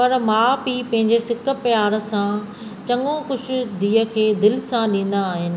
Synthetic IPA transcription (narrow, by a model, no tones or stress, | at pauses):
pɐɾmãːbiːpɐ̃ɦɪ̃ɲd͡ʑesɪkə̆pjaːɾ̆sã | t͡ɕɐ̃ŋõkʊt͡ʃʰʊ̆d̪iːəkʰeːd̪ɪlɪsãɗĩːn̆d̪aːɦɪnɪ̆